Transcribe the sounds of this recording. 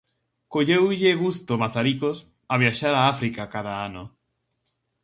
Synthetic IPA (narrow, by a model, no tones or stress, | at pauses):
koʎewʎeɣust̪omaθaɾikos | aβ̞jaʃaɾaafɾikakaðaano